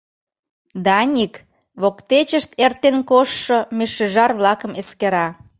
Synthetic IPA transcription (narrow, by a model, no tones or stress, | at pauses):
d̪ɑnʲik | βokt̪et͡ɕəʃt̪ert̪enkoʃːŏmeʃeʒɑrβlɑkə̆meskeɾɑ